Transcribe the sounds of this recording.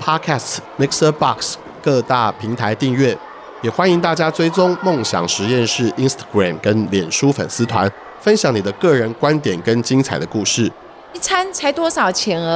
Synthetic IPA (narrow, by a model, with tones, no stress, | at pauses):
pʰɑ˥kʰæ˥˧st̪ʰmi˥k̚sə˥bɑ˥˧ks | kɤ˥˧t̪a˥˩pʰi˧˥ŋt̪ʰa˧˦ɪt̪i˥˧ŋɥɛ˥˩ | jɛ˨˩xwa˥ni˧˥ŋt̪a˥˩t͡ɕja˥t͡swe˥ɪʈ͡ʂʊ˥ŋmo˥˨˩ŋɕjɑ̰˨˩ŋʂɻ̩˧˦jɛ˥˧nʂɻ̩˥˩ʔi˦nst̪ʰḁ˥˩ɡɹa˨˩mkə˦˥nljɛ˨˩nʂu˦fə̰˨˩nsɹ̩˥t̪ʰwa˧˦n | fə˦˥nɕjɑ˨˩ŋni˨˩d̪ə˦kɤ˥˩ɻə˧˦nkwa˦nt̪jɛ˨˩nkə˦nt͡ɕi˥ŋt͡sʰa˨˩ɪd̪ə˦ku˥˧ʂɻ̩˥˩ | i˥˩t͡sʰa˥nt͡sʰa˧˥ɪt̪wɔ˥ʂɑ˨˩ʊt͡ɕʰjɛ˧˥nə˧